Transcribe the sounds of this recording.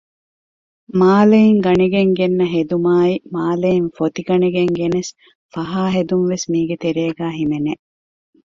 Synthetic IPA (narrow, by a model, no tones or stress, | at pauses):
maːleiŋɡɐniɡeŋɡenːɐɦed̪umaːimaːleinfot̪iɡɐniɡeŋɡenes | fɐɦaːɦed̪unʋesmiːɡet̪eɾeːɡæːɦimene